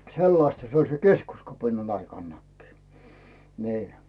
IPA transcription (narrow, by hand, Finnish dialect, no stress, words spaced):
selːɑstɑ se olʲ se keskuskɑpinɑn ɑikɑnːɑkːiː niː